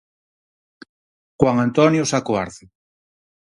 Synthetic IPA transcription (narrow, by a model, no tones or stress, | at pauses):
xwaŋant̪onjosakoa̰ɾθe